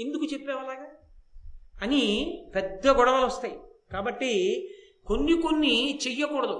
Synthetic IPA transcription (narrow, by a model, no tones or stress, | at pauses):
e̞nd̪ukut͡ʃepːɛːʋɐlaːɡaː | ɐnipɛd̪ːɐɡɔɽɐʋɐlɔst̪aːjikaːbɐʈːi | konːikonːit͡ʃɛjːɐkuːɽɐd̪u